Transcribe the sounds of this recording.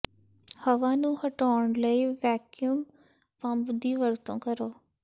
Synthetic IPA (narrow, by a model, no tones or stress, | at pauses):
həʋãːnũːhəʈaːɳləiːʋɛːkjum | pə̃mbd̪iːʋəɾt̪õ̰ːkəɾoː